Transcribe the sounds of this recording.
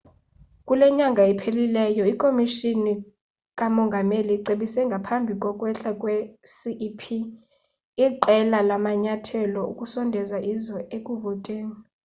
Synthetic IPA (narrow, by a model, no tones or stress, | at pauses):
kʼulɛɲaŋɡʱaɛpʰelilɛjɔikʼomiʃini | kʼamɔŋɡʱameliǀeɓisɛŋɡʱapʰambʱikʼwɔkʼwɛɬakʼwɛsiʔpʰi | iǃɛlalamaɲatʰɛlɔṵkʼusɔndʱɛzaʔizɔekʼuvɔtʼeːni